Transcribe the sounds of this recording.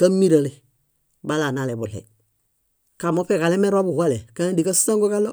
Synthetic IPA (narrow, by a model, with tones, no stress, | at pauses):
ka˦mi˦ɾa˨le˨ | ba˦la˨na˦le˨bu˨ɬḛ˨i | ka˨mo˦pe˨ka˨le˦me˦ɾa˦bu˨ha˦le˨ka˦di˨ka˦su̥˦sã˦ŋɡo˦ka˦lo˦